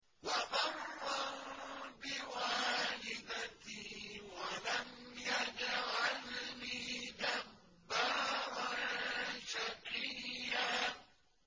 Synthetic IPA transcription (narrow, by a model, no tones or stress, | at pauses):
wamɑrːɑwbɪwaːlɪd̪at̪iwalamjad͡ʒaʕalmiːd̪abbːaɾɾa | ʃaqɪjjːa